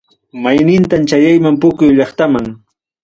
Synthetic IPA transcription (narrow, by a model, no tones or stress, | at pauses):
majnɪnt̪ant͡ʃajajmampʊkʊjʎɑχt̪amaŋ